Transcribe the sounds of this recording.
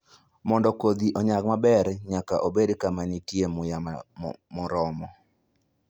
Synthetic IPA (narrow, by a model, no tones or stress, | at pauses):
mɔndɔkod̪iʔɔɲak̚mabɛɾɲakaʔobedkamanitiemʊjamʊɾɔmɔ